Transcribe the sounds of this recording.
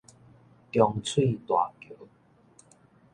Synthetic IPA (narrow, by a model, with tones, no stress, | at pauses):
kjɔ˧ŋt͡sʰwi˥˧t̪wa̰˨˩kjo˨˦